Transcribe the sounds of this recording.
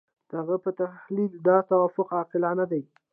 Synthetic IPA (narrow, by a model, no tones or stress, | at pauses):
d̪̥əhaɣapət̪ahlild̪ɑt̪awɑfʊqɑqɪlɑnad̪aj